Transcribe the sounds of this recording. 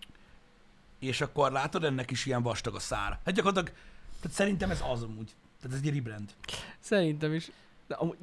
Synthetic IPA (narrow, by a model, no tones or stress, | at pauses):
eːʃɒkːo̞rlaːt̪o̞d̪ɛnːɛkiʃiɛɱvɒʃt̪ɒɡɒsaːɾɒhat̪̚ɟɒkort̪lɒɡt̪aːt̪sɛɾint̪ɛmɛzɒzonuːɟ | t̪aːt̪̬ɛzɛɟɾibɾɛnd̪sɛɾint̪ɛmiʃ | d̪ɛʔɒmu